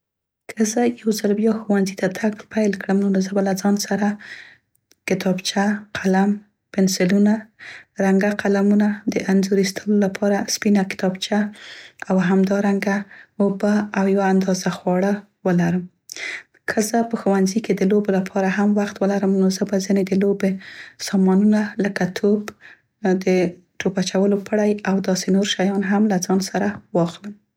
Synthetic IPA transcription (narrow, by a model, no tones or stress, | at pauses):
kʰəzajawzəɾbjɑxowanzit̪at̪ʰaɡlpajlkɽəmnonozəbalad͡zɑnsaɾa | kɪt̪ʰɑbt͡ʃaqʰalam | pɪnsɪlunaɾaŋɡaqalamunad̪əʔanzoɾist̪ʰəlolapʰɑɾaspinakɪ̥t̪ɑbt͡ʃaawɦamd̪ɑɾaŋɡaobaawjawaːnd̪ɑzaxwɑɽa | wəlaɾəm | kʰəzəpəxowanziked̪əlobolapʰɑɾaɦamwaxt̪wəlaɾəmnozəbazined̪əlobesɑmɑnunaləkat̪ʰob | d̪ə | ʈopat͡ʃawəlopəɽajawd̪ɑsenoɾʃajɑnɦamlad͡zɑnsaɾawɑxləm